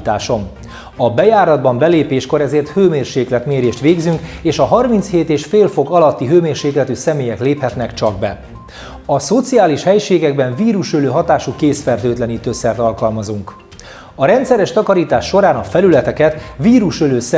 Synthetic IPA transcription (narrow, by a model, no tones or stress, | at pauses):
t̪aːʃo̞m | ɒbɛjaːɾɒd̪̚bɒmbɛleːpeːʃko̞ɾɛzeːrt̪høːmeːrʃeːklɛt̪meːɾeːʃt̪ʋeːɡzyŋkeːʃɒɦɒrmint̪sheːt̪eːʃfeːlfo̞kɒlɒt̪ːiɦøːmeːrʃeːklɛt̪ysɛmeːjɛkleːphɛt̪nɛkt͡ʃɒɡ̚bɛ | ɒso̞t̪sijaːliʃhɛjʃeːɡɛɡ̚bɛɱviːɾuʃøløːɦɒt̪aːʃukeːsfɛrt̪øːt̪lɛnit̪øsɛrt̪ɒlkɒlmɒzuŋk | ɒɾɛnt̪sɛɾɛʃt̪ɒkɒɾiːt̪aːʃːo̞ɾaːnɒfɛlylɛt̪ɛkɛt̪viːɾuʃøløːsɛ